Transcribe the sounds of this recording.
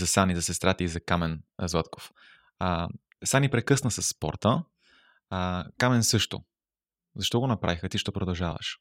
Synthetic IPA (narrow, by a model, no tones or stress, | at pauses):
zɐsanizɐsɛst̪ɾat̪əizɐkamɛnzvat̪ko̥f | sanipɾɛkɤsnəsɐsːpɔ̰ɾt̪ə | kamɛnsɤʃt̪o̰ | zɐʃt̪ɔɡonɐpɾʔa̰vixət̪iʃt̪ɔpɾod̪ɐlˠʒavə̰ʃ